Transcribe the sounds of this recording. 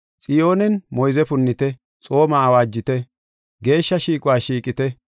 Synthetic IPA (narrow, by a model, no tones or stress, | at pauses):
t͡sʼɪjo̞ːnɛnmɔjzɛpʊnːɪt̪ɛ | t͡sʼo̞ːmaːwaːd͡ʒːɪt̪ɛ | ɡe̞ːʃːɐʃiːkʼʊwaːʃiːkʼɪt̪ɛ